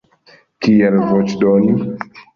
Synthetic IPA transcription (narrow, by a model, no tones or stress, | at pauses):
kiɛlvot͡ʃdoni